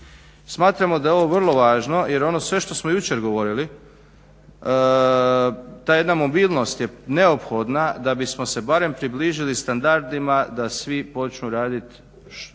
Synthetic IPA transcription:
smaːt̪ɾamo̞d̪ajeo̞ʋo̞ʋr̩lˠo̞ʋaːʒno̞je̞ɾo̞no̞sʋe̞ʃt̪o̞smo̞jut͡ɕe̞ɾɡo̞ʋo̞ɾili | t̪aːje̞d̪namo̞biːlˠno̞st̪jeneopxo̞d̪nad̪abismo̞se̞baɾe̞mpɾibliːʒilist̪and̪aɾd̪imad̪asʋipo̞t͡ʃnuɾaːd̪it̪ | ʃ

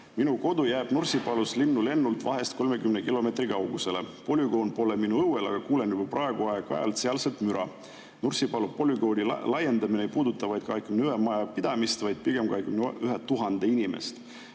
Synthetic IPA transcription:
minuko̞d̪̥ujæːb̥nursipɑluslinːule̞nːult̪vɑɦe̞st̪̚ko̞lme̞kymnekilo̞me̞t̪rikɑwɡ̥use̞lepo̞lʲyɡo̞ːnpo̞leminuɤwelɑɡ̥ɑkuːle̞njubɑprɑe̞ɡ̥uɑjɑɡɑ̰jɑ̰lt̪seɑlselt̪myɾɑ | nursipɑlupo̞lʲyɡ̥o̞ːd̪ilɑje̞nd̪ɑminejpuːd̪̥ut̪ːˑɑvɑjd̪̥kɑekymnyemɑjɑpid̪̥ɑmist̪vɑjd̪̥̚piɡ̥e̞mkɑekymnʔyɦet̪ːuɦɑnd̪̥einime̞̰st̪

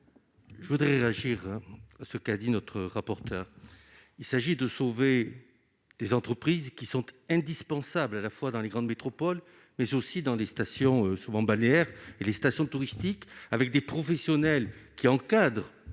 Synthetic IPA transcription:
ʒəvud̪ʁɛʁeaʒiʁasəkad̪inɔt̪χəʁapɔʁt̪ʰœːʁ | ilsaʒid̪əsove | d̪ezɑ̃t̪χəpχizkʲisɔ̃t̪ɛ̃d̪ispɑ̃sablalafwad̪ɑ̃leɡʁɑ̃d̪met̪χɔpɔl | mɛzosid̪ɑ̃lest̪asjɔ̃øsuvɑ̃baleɛʁelest̪asjɔ̃t̪uʁist̪ikavɛk̚d̪epχɔfɛsjɔnɛlkʲiɑ̃kad̪ʁ

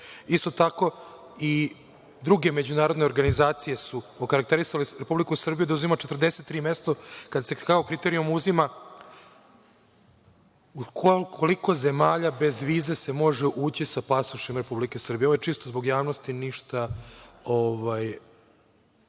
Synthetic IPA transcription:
ist̪o̞t̪ako̞ | i | d̪ɾuɡe̞me̞d͡ʑunaːɾo̞d̪ne̞oɾɡanizaːt̪sije̞suokaɾak̚t̪eɾisaleɾepublikusr̩bijud̪auzimat͡ʃe̞t̪rd̪ese̞t̪ːɾiːme̞st̪okad̪asekaokɾit̪e̞ɾijumuzima | ukʰokʰoliko̞zemaːʎabe̞zʋiːze̞se̞mo̞ʐeʔuːt͡ɕisapasuʃemɾe̞publike̞sr̩bijoʋojet͡ʂist̪ozbo̞ɡjaːʋnost̪iniʃt̪a | oʋaj

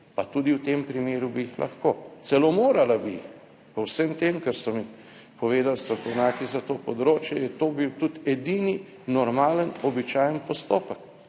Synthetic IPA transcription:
pat̪uːd̪iwt̪empɾimeːɾubiːxlʔa̰xkoːt̪sɛlomoːɾalabiix | pɔwsəmt̪emkəɾsɔmi | pɔʋeːd̪awst̪ɾɐkɔwnaːkizat̪oːpɔd̪ɾoːt͡ʃjɛjɛt̪oːbiwt̪ut̪ɛd̪iːni | nɔɾmaːlənɔbit͡ʃaːjənpɔst̪oːpək

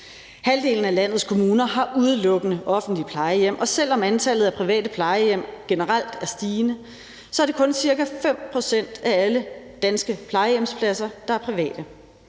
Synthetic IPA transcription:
hæld̥e̝̰ːln̩ælæn̰ð̞̩ˠskʰo̝muːnɐɦɑ̈ʔuð̞ˠəlɔ̽ɡ̥ənəʔɒ̽fn̩d̥lipʰlɑ̈ɪəjem̰ʔɒ̽sel̰ɒ̽mænt͡sʰælð̩ˠæpʰʁiʋɛ̰ːd̥əpʰlɑ̈ɪəjem̰ɡ̥e̝nəʁɑl̰d̥æɐsd̥iːnə | sɒ̽æɐɾ̥e̝kʰɔ̽nsiɐkæfem̰pʰʁo̝sen̰d̥æælə | d̥ænsɡ̥əpʰlɑ̈ɪəjem̰spʰlæsɐd̥ɑ̈æɐpʰʁiʋɛ̰ːd̥ə

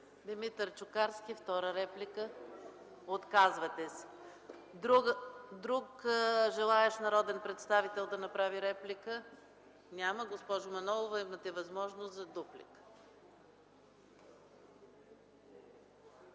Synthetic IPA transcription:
d̪imit̪ɾt͡ʃʊkaɾsk̟ift̪ɔɾəɾɛplikə | ot̪kazvɐt̪ɛs | d̪ɾuɡd̪ɾukʒɛlˠaɛʃnɐɾɔd̪ɛnpɾɛt̪st̪avit̪ɛlˠd̪ɐnɐpɾaviɾɛplikə | nʲaməɡospɔʒʊmɐnɔlˠovɐimət̪ɛvɐzmɔʒnost̪zɐd̪uplḭk

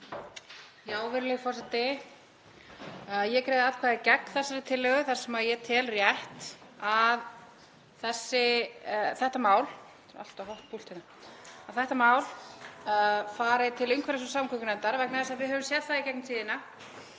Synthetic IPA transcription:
jaːwvɪɾlɛɣfɔrsɛt̪ɪ | ajɛkɾeːjðɪaðkʰvaːðɪcɛk̚n̥θɛsːaɾɪt̪ʰɪlːɛɣʏθaɾ̥sɛmajɛt̪ʰɪːlrjɛht̪að | θɛsːɪ | θɛht̪amaːwl | a̰l̥t̪aɦɔwht̪̚pʰult̪ɪna | aðθɛht̪amaːwl | faːɾɪt̪ʰɪlʏŋkʰvɛɾɪs̬ɔsamkʰʏkʏnɛnt̪aɾvɛknaθɛsaðvɪðɦœvʏmsjɛt̪θaðicɛk̚nɪt̪ʰiːðɪna

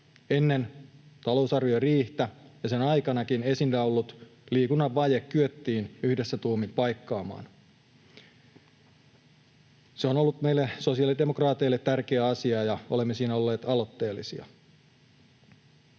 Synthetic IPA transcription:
e̞nːent̪ɑlo̞usɑrʋioriːht̪æjɑsenɑjkɑnɑkine̞sindæolːut̪liːkunːɑʋːɑjekkyøt̪ːiːnyhde̞sːæt̪uːmimpɑjkːɑːmɑ̰ːn | seonolːut̪me̞jlːeso̞siɑlide̞mokrɑːt̪eilːet̪ːærkeæɑsiɑjɑole̞mːesiːnæo̞lːe̞ːt̪ɑlo̞t̪ːe̞ːlːisiɑ̰

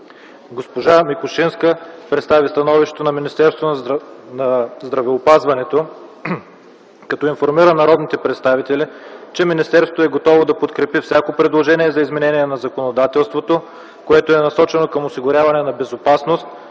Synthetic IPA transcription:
ɡospoʒamikoʃinskəpɾɛt̪st̪avist̪ɐnɔviʃt̪ɛt̪onɐminist̪ɛɾst̪vonɐzd̪ɾɐvɛopazvɐnɛt̪o | kɐt̪ɔinfoɾmiɾənɐɾɔd̪nit̪ɛpɾɛt̪st̪avit̪ɛlit͡ʃɛminist̪ɛɾsot̪oɛɡot̪ɔvod̪ɐpot̪kɾɛpifsʲakopɾɛd̪lˠoʒɛniɛzɐizmɛnɛniɛnɐzɐkonod̪at̪ɛlˠst̪vot̪o | koɛt̪oɛnɐsɔt͡ʃɛnokɐmosiɡʊɾʲjavɐnɛnɐbɛzopasnost̪̚

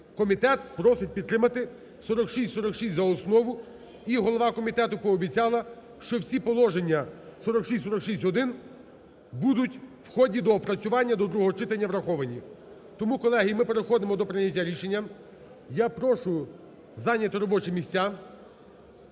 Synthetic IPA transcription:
kɔmʲit̪ɛt̪̚pɾɔsɪt̚ʲpʲid̪ɾɪmɐt̪ɪ | sɔɾɔkʃistʲsɔɾɔkʃisʲtʲzɐɔsnɔʋʊ | iɦɔlˠɔʋɑkɔmʲit̪ɛt̪ʊpɔːbʲit͡sʲɑlˠɐ | ʃt͡ʃɔwsʲipɔlˠɔʒenʲːɐsɔɾɔkʃisʲtʲsɔɾɔkʃisʲtʲɦɔd̪ɪn | bud̪ʊtʲwxɔdʲid̪ɔpɾɐt͡sʲʊʋɑnʲːɐd̪ɔd̪ɾuɦɔɦɔt͡ʃɪt̪ɐnʲːɐʋɾɐxɔʋɐnʲi | t̪ɔmukɔlˠɛɦijimɪpeɾexɔd̪ɪmɔd̪ɔpɾɪnʲːɐtʲːaɾʲiʃenʲːɐm | japɾɔʃʊj | zɑnʲːɐt̪ɪɾɔbɔt͡ʃɪmʲisʲtʲːa

